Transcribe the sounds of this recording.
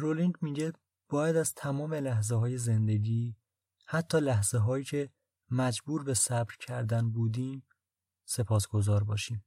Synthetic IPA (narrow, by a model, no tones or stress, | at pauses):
ɾoliŋɡmiɟe | b̥ɒːjæd̪æzt̪ʰæmɒːme̞læhzeɦɒːje̞ze̞nd̪e̞ɟiː | hæt̪ʰːɒːlæɦz̥eɦɒːjiːcʰe̞ | mæd͡ʒbuːɾbe̞sæbɾcʰæɾd̪ænbuːd̪iːm | se̞pʰɒːsɡ̥o̞zɒːɾbɒːʃiːm